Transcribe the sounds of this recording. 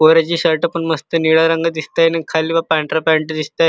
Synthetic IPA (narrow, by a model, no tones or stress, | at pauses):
oɾat͡ɕiːɕəɾʈapəɳməst̪əniɭaɾəŋɡad̪ist̪ajnakʰaliːʋapaɳʈɾapaɳʈd̪ist̪a